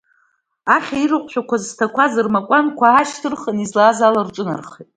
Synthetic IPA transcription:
aχʲairɨqʷʼʃʷᶣakʷʰaztʰakʷʰazɨrmakʷʼankʷʰaaʃtʰɨrχanizlaːzalart͡ʃʷʼʊna̰rχitʼ

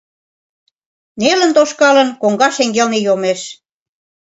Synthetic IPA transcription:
nelə̆nt̪oʃkɑlə̆nkoŋɡɑʃeŋɡelnejomeʃ

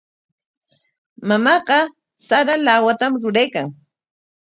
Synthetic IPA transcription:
mamɑɢɑ | saɾalawat̪amɾʊɾajkaŋ

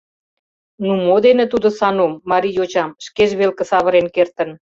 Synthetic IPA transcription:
numod̪enĕt̪ud̪osɑnomːɑɾijot͡ɕɑmʃkeʒβelkə̆sɑβəɾenkert̪ə̆n

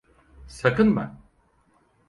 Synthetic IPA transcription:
sakɯnba̰n

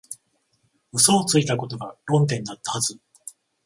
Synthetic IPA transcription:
ɯ̟so̞ːt͡sɨit̪ako̞t̪o̞ɡaɾõ̞nt̪ẽ̞nd̪at̪ːahazɨ

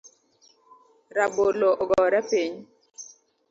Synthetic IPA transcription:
ɾaboloʔɔɡɔɾɛpiɲ

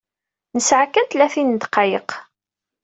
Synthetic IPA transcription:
nəsʕakːænt̪læθind̪qɑjəq

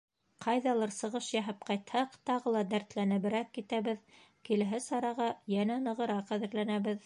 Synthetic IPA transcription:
qʰɑjðɑlˠɤɾsɤ̆ʁɤʃjæɦɘp̚qɑjt̪hɑqt̪ɑʁɤlˠɑd̪æɾt̪lænɘ̆βɘ̆ɾækːit̪æβɘð | kilɘɦɘsɑɾɑʁɑjænænɤ̆ʁɤ̆ɾɑqæðɘ̆ɾlænæβɘð

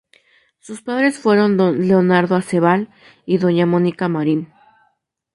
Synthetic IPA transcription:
suspaðɾe̞sfwe̞ɾo̞nd̪onle̞onaɾðoaseβal | iðo̞ɲamõnikamaɾin

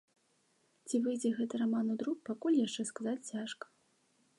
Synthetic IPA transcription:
t͡sʲivɨjd͡zʲɛɣɛt̪ɨɾamanud̪ɾuk̚pakulʲjaʂt͡ʂɛskazat͡sʲt͡sʲaʂkɐ̥

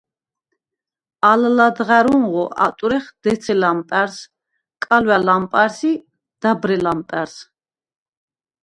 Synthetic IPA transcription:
allad̪ʁaɾuŋʁɔʔa̰t̪ʼuɾɛχd̪̥ɛt̪sʰɛlampʼæɾs | kʼalwalampʼaɾsi | d̪̥abɾɛlampʼɛɾs

